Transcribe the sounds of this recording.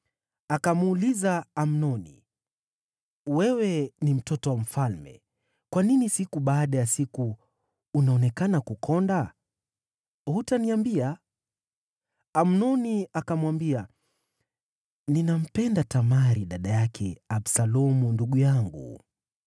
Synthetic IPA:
akamːlizaːmnɔnḭ | wɛwɛnim̩tɔtɔwam̩falmɛ̰ | kwaninisikuɓaːɗajasikuː | naɔnɛkanakukʰɔnda | hutaniambia | mnɔniakamwambia | ninam̩pɛndatamaɾiɗaɗajakʰɛ̰aɓsalɔmunduɠujaŋɡṵ

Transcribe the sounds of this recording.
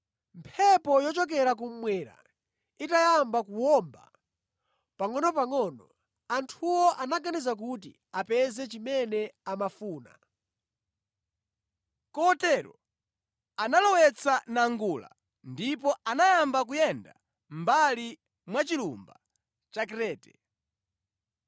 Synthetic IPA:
mpʰɛpɔjɔt͡ʃɔk̬ɛɾak̬um̩mwɛɾa̰ | itajambakuwɔmba̰ | paŋɔnɔpaŋɔnɔ | antʰuwɔʔanaɡanizak̬utḭ | apɛzɛt͡ʃimɛnɛamafuːna̰ | kɔtɛɾɔ̰ | analɔwɛt͡sʰanaŋɡula̰ | ndip̬ɔanajambakujɛnda | mbali | mwat͡ʃilṵmba | t͡ʃakɾɛːtɛ

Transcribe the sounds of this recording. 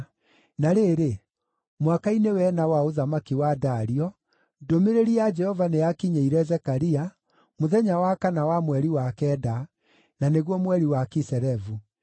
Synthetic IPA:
naɾeɾe | mwakainewɛnawaoðamakiwadaɾiɔ | domeɾeɾiad͡ʒɛhɔvanejakiɲeiɾɛzɛkaɾia | moðɛɲawakanawamwɛɾiwakɛːda | naneɣwɔmwɛɾiwakisɛɾɛvu

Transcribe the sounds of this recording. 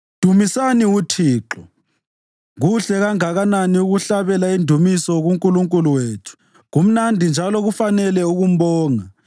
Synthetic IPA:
d̥ʱumisaniutʰiːǃɔ | ɣuɬɛɣaŋaɣananiuɣuɬaβɛlaindʱumisɔɣuŋkʼuluŋkʼuluweːtʰu̥ | ɣum̩nandʱind͡ʒʱalɔɣufanɛlɛuɣum̩βɔːŋa

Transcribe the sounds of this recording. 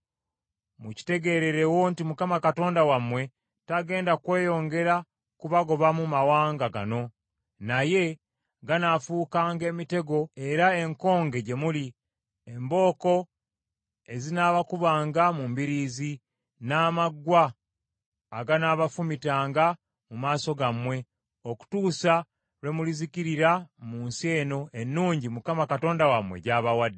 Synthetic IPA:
muci̥te̞ɡe̞ɾe̞ɾe̞wontimukamakato̞ːndawamwe̞ | taɡe̞ːndakwe̞ːjo̞ːŋɡe̞ɾa | kuβaɡo̞βamumawaːŋɡaɡa̰no̞ | naje̞ | ɡanafuːkaːŋɡe̞ːmite̞ɡo̞e̞ɾae̞ŋko̞ːŋɡe̞ɟe̞muli | e̞mbo̞ːko̞ | e̞zinaːβakuβaːŋɡamumbiɾiːzi | naːmaɡwaː | ɡanaβafumitaːŋɡa | mumaːso̞ɡamwe̞ | o̞ku̥tuːsa | lwe̞muliziciɾiɾamuːnsie̞ːno̞ʔe̞nːuːɲɟimukamakato̞ːndawamwe̞̰ɟaːβawadːe

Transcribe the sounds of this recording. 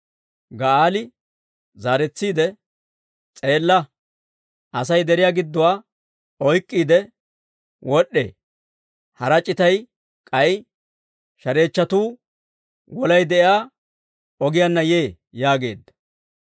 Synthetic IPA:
ɡɐaːlɪ | zaːɾɛt͡sːiːd̪ɛ | t͡sʼe̞ːlːɐ | ʔɐs̬ɐjd̪ɛɾɪjaːɡɪd̪ːɔwaː | ɔjkʼːiːd̪ɛ | wʔɔɗːḛː | hɐɾɐt͡ʃʼːɪt̪ɐj | kʼɐj | ʃɐɾe̞ːt͡ʃːɐt̪uː | wɔlɐjd̪ɛʔɪaː | ɔɡɪjanːɐje̞ː | jaːɡe̞̰ːd̪ːɐ̥

